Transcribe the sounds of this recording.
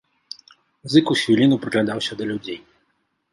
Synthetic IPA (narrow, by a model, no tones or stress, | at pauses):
zɨkusʲvʲilʲinupɾɨklʲad̪awsʲɐd̪ɐlʲud͡zʲej